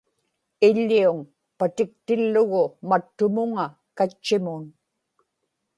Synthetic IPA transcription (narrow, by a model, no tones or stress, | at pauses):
ɪʎːiuŋ | pat̪ɪk̚t̪ɪlːʊɣʊmat̪ːʊmʊŋa | kat͡ʃːɪmʊn